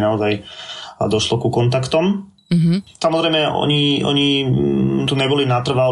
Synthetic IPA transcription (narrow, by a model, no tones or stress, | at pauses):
naɔzaj̰ | d̪ɔʃlɔkukɔnt̪akt̪ɔm | samɔzɾɛjmɛʔɔ̰ɲiɔ̰ɲi | t̪uɲɛbɔlinat̪r̩ʋa